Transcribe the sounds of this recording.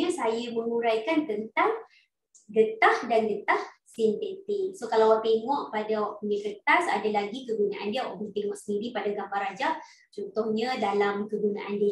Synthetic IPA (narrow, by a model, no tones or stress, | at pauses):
asajaməŋuɾajkant̪ənt̪aŋ | ɡət̪ahdanɡət̪ahsint̪et̪isokalawat̪eŋɔʔpadawaʔpənikət̪asa̰dalaɡikəɡuna̰ʔa̰ndiawa̰ʔməŋt̪eŋɔʔsəndiɾipadaɡambarɾad͡ʒaʔ | t͡ʃɔnt̪ʊhɲadalamkəɡuna̰ʔandi